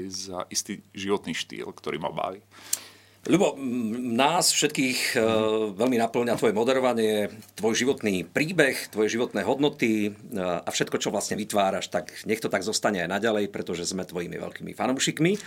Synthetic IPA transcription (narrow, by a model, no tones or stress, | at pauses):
za̰ʔist̪iʒiʋɔt̪niːʃt̪ḭːlkt̪ɔɾḭːma̰ba̰ːʋi | ʎubɔnaːsfʃɛt̪kiːx | ʋɛʎminapl̩ɲat̪ʋɔjɛmɔd̪ɛɾɔʋaɲɪɛt̪ʋɔjʒiʋɔt̪niːpɾiːbɛxt̪ʋɔjɛʒiʋɔt̪nɛːɦɔd̪nɔt̪i | afʃɛt̪kɔt͡ʃɔʋlasɲɛʋit̪ʋaːɾaʃt̪akɲɛxt̪ɔt̪aɡzɔst̪aɲɛajnaɟalɛjpɾɛt̪ɔʒɛzmɛt̪ʋɔjimḭʋɛ̰ʎkiːmḭfanuːʃikmi